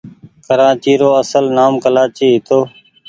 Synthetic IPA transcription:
kəɾaːt͡ʃiːɾoːəsəlnaːmkəlaːt͡ʃiːɦɪt̪ʰoː

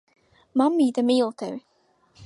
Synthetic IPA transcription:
mamːid̪əmiːlˠt̪ʰə̰ː

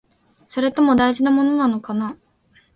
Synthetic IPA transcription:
so̞ɾe̞t̪o̞mo̞d̪aiʑinamo̞no̞nano̞kana

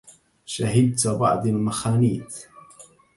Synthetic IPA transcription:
ʃaɦɪd̪̚t̪bɑ̰ʕd̪ˤalmaxaːniːθ

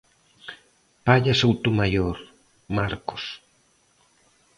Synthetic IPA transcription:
paʎasowt̪umajoɾ | maɾko̥s

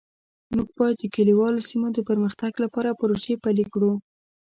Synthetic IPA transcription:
muɡ̚bɑjad̪̚ːəkaliwɑlosimod̪əpəɾməxt̪aɡlapɑɾapəɾosepalikɽu

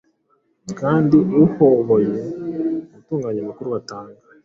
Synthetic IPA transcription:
kaːndiuhoβojeβutuːŋɡaɲamakuɾuβataːŋɡa

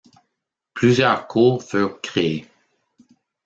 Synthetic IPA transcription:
plyzjœːʁkʰuːʁfyːʁkχee

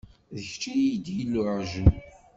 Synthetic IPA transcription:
ðəçt͡ʃːid̪ilːuʕʒu

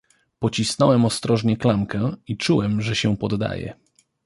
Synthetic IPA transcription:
pɔt͡ɕisnɔwɛmɔst̪ɾɔʐɲɛklamkɛit͡ʂuwɛmʐɛɕɛpɔd̪ːa̰jɛ̰

